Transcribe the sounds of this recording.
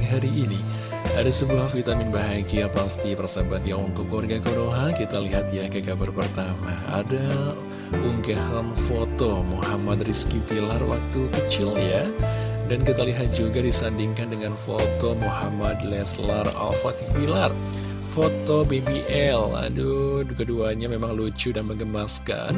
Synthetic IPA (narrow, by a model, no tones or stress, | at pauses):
ɦaɾiːni | adasəbuahfit̪amɪnbaɦaɡiapast̪ipərsabat̪jaŋunt̪ʊkːarɡakonoɦakit̪aliɦat̪jakakabarpərt̪amaa̰da | uŋɡahanfot̪omohamat̪riskipilarwa̰k̚t̪ukət͡ʃɪljadankit̪aliɦat̪̚d͡ʒuɡadisandiŋkandəŋanfo̰t̪omuhamad̪lɛsla̰ra̰lfat̪ipilar | fot̪obebiʔɛla̰dukəduaɲamemaŋlut͡ʃudanməŋɡəmaska̰n